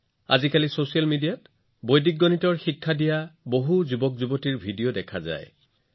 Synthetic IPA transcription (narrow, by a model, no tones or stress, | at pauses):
a̰zikalisosialmidijat | bojdik̚ɡːɔnitɔɹxikʰːadijaboɦuzubɔkzubɔtiɹbʱidijodɛkʰaza̰j